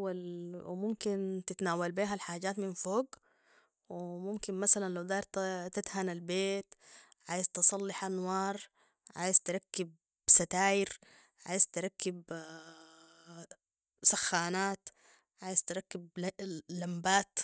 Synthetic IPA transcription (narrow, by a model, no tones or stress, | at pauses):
walwmʊmkint̪ɪt̪naːwalbiːɦalħaːɟaːt̪mɪnfoːɡ | wmʊmkinmasalanlawd̪ɑːɾt̪t̪at̪hanalbeːt̪ʕaːjizt̪ɨsˤɑlːɪħʔanwɑːɾˤ | ʕa̰ːjizt̪ɪɾˤɑkːɪb | sat̪aːjɪɾ | ʕa̰ːjizt̪ɪɾˤɑkːɪb | saxːaːnaːt̪ | ʕaːjizt̪ɾˤɑkːɪb̚lambaːt̪